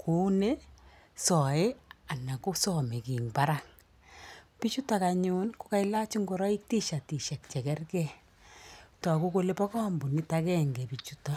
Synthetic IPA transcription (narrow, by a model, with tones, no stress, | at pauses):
kʰu˦ne˦ | sɔ˨ɪ˦a˨na˨ko˦sɔme˨ki˨ŋba˦ɾaŋ | pi˦t͡ʃu˦ta˨ka˨ɲu˦nku˦ka˦ɪ˦la˦t͡ʃi˦ŋɡo˨ɾɔ˦i˦k̚ti˦ʃa˨ti˨ʃɛ˨k̚t͡ʃɛ˨kɛ˦rkɛ˦ | tɔ˨ku˦ko˦le˦pɔ˦kɔ˦mbu˨ni˦ta˦kɛ˦ŋɡɛ˨pi˨t͡ʃu˦ta